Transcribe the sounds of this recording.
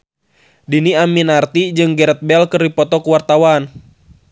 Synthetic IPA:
diniaminart̪id͡ʒɨŋɡɛɾɛt̪̚bɛlkɨrdipɔt̪ɔkuwart̪awan

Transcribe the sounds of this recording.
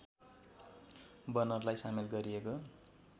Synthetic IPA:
bʌnʌrlajsamelɡʌɾijeko

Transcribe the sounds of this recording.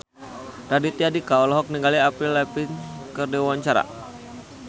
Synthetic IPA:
ɾadit̪iadikaɔlɔɦɔk̚niŋɡaliapɾilɛpinkərdiwaɲt͡ʃaɾa̰

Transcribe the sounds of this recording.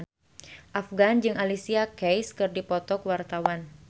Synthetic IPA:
ʔafɡand͡ʒɨŋalisiakɛjskɨrdipɔt̪ɔkwart̪awan

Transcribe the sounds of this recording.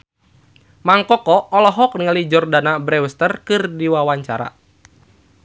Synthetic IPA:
maŋkɔkɔɔlɔɦɔk̚niŋalid͡ʒɔrdanabɾɛwəst̪ərkɨrdiwawaɲt͡ʃaɾa̰

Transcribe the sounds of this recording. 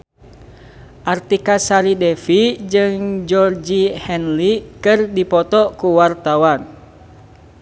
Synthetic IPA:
ʔart̪ikasaɾidɛfid͡ʒɨŋd͡ʒɔrd͡ʒihɛnlikɨrdipɔt̪ɔkuwart̪awan

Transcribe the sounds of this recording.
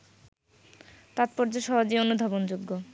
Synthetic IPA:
t̪at̪̚poɾd͡ʑoʃɔɦad͡ʑionud̪ʱabond͡ʑuɡːo

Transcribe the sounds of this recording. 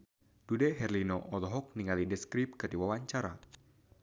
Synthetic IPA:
d̥udɛɦɛrlinoʔɔlɔɦɔk̚niŋalidɛskɾip̚kɨrdiwawaɲt͡ʃaɾa̰

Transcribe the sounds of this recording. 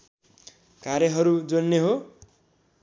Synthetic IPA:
kaɾjʌɦʌɾud͡zʌnnːeɦo

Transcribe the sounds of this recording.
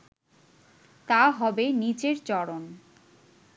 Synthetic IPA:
t̪aɦɔbenit͡ɕeɾt͡ɕɔɽon

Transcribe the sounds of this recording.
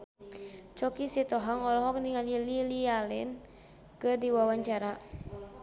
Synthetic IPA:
t͡ʃɔkisit̪ɔɦaŋɔlɔɦɔk̚niŋalililialɛ̰n | kɨrdiwawaɲt͡ʃaɾa

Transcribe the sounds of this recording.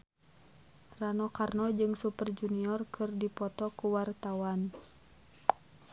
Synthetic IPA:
ranɔkarnɔd͡ʒɨŋsupərd͡ʒuniɔrkʰɨrdipɔt̪ɔkuwart̪awan

